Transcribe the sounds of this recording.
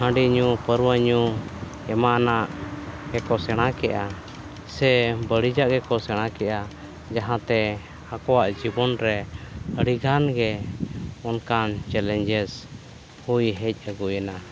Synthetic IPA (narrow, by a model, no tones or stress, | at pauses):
hãɖiɲupəɾwəɲu | ɛmanaʔɡɛkɔsɛɽ̃ãkɛʔa | sɛbəɽid͡ʒaʔɡɛkɔsɛɽ̃akɛʔa | d͡ʒaɦãt̪ɛ | akɔwaʔd͡ʒibɔnɾɛəɽiɡanɡɛ | ɔnkant͡ʃɛlɛɲd͡ʒɛs | hujɦɛc̚ˀəɡujəna